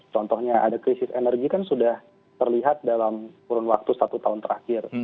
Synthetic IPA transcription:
t͡ʃɔnt̪ɔhɲaʔadakɾisɪsenərɡikansudah | t̪ərliɦat̪̚dalamkuɾʊnwak̚t̪usat̪ut̪aʊnt̪əɾakɪr

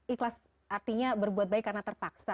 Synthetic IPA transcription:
ʔiklas | ʔart̪iɲabərbuat̪̚baɪkːarnat̪ərpaksa

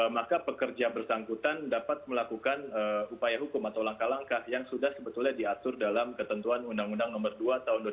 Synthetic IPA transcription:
makapəkərd͡ʒabərsaŋkut̪andapat̪̚məlakukanəupajaɦukʊmat̪awlaŋkalaŋkahjaŋsudahsəbət̪ulɲadiat̪ʊrdalamkət̪ənt̪uanundaŋundaŋnɔmərduat̪aɦʊnd

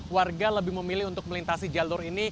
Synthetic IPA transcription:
warɡaləbɪhməmilɪhunt̪ʊk̚məlint̪asid͡ʒalʊrini

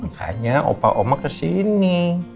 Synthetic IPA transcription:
ha̰ɲaʔo̰paʔomakəsini

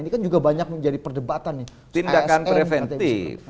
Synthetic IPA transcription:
inikand͡ʒuɡabaɲak̚məɲd͡ʒadipərdəbat̪anːɪ | t̪indakanppɾefɛnt̪if

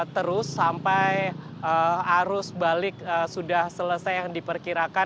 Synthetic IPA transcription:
t̪əɾʊsːampaj | əaɾʊsbalɪk̚əsudahsələsajaŋdipərkiɾaka

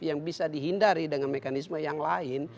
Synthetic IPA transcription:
jaŋbisadiɦindaɾidəŋanmɛkanisməjaŋlaɪn

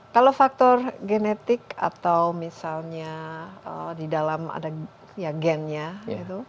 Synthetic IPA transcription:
kalawfak̚t̪ɔrɡenet̪ɪka̰t̪awmisalɲaədidalama̰da | jaɡɛnɲaɡit̪u

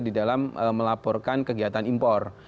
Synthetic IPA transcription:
didalaməːəlapɔrkankəɡiɦat̪animpɔr

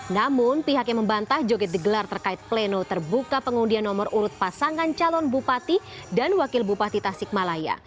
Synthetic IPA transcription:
namʊnpiɦakjaŋməmbant̪ahd͡ʒoɡɛt̪̚diɡəlart̪ərkaɪt̪̚plɛnot̪ərbukapəŋundianːɔmɔruɾʊt̪̚pasaŋant͡ʃalɔnbupat̪i | danwakɪlbupat̪it̪asɪk̚malaja̰

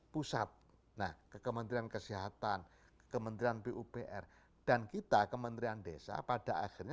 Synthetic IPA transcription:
pusat̪̚ | nahkəkəmənt̪ɾiankəsiɦat̪an | kə̥kəmənt̪ɾianpeʔupeʔɛ̰r | d̥ankit̪akəmənt̪ɾiandesa̰pad̥aʔa̰xirɲa

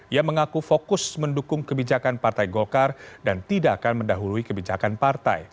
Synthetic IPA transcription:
ijaməŋakufokʊsməndukʊŋkəbid͡ʒakanpart̪ajɡolkardant̪idaʔːkanməndaɦuluikəbid͡ʒakanpart̪a̰j

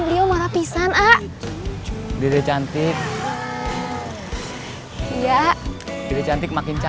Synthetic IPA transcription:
bəliomaɾapisanaʔ | deɾɛt͡ʃant̪ɪk̚ | ijadiɾɛt͡ʃant̪ɪk̚makɪnt͡ʃa

